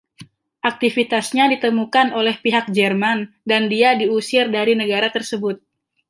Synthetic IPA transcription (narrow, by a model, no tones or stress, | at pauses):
ʔak̚t̪ifit̪asɲadit̪əmukanolɛhpiɦak̚d͡ʒɛrman | dandiadiusɪrdaɾinəɡaɾat̪ərsəbʊt̪̚